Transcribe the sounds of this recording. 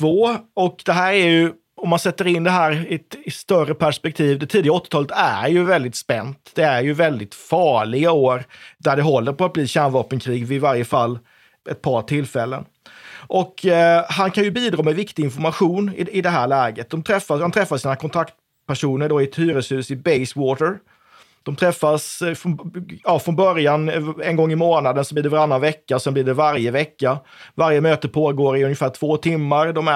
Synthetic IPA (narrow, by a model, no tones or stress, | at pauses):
t̪ʰvoːɔkd̪ɛɦæːɾæɾjɵ | ɔmːansɛt̪ːəɾɪnd̪ɛɦæːɾɪt̪ɪst̪œrəpʰæʂpɛk̚t̪ʰiːvd̪ɛt̪ʰiːd̪ɪɡaɔt̪ːɪ̥t̪ʰɑːlət̪æɾjɵvɛld̪ɪt̪spɛnt̪d̪̥ɛæɾjɵvɛld̪ɪt̪fɑːɭɪɡaoːɾd̪æɖɛɦɔlːəɾpɔat̪bliːɕænvɑːpənkʰɾiːɡvɪvaɾjəfalː | ɛt̪̚pʰɑʈʰɪlːfɛlːə̰n | ʔɔkɦankʰanjɵbiːd̪ɾɑːmɛvɪkt̪ɪɡɪnfɔɾmaɧuːnɪɪd̪ɛɦæːɭɛːɡət̪̚d̪ɔmt̪ʰɾɛfːahant̪ʰɾɛfːasiːnakʰɔnt̪ʰakt̪ | pæʂuːnəɖoɪɛt̪hyːɾəshʉ̟ːsɪbɛɪswɔːt̪əɾ | d̪̥ɔmt̪ʰɾɛfːasfɾɔjɑːfɾɔnbœɾjanɛnɡɔŋːɪmoːnad̪ənsɔbliːɖɛvaɾanːanvɛkːaɔsɛnbliːɖɛvaɾjəvɛkːa | vaɾjəmøːt̪əpʰoːɡoːɾɪɵnjəfæːʈʰv̥oːt̪ʰɪmːaɾd̪ɔmæ